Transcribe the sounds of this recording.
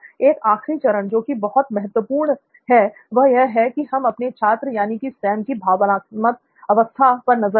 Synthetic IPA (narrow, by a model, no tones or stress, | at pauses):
eːkaːxɾit͡ʃɐɾəɳd͡ʒoːkibɐɦʊt̪mɛɦət̪ʋəpuːɾɳ | ɦɛ | ʋɐɦjɐɦɛkiɦɐmɐpnet͡ʃʰaːt̪ɾəjaːnikisɛːmkibʱaːʋnaːmət̪̚ | ɐʋəst̪ʰapɐɾnɐzə